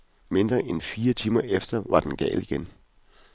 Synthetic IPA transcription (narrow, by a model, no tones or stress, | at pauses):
me̝nd̥ʁɐʔenfiːɐt͡sʰiːmɐʔefd̥ɐʋɑ̈d̥enɡ̥ɛ̰ːliɡ̥en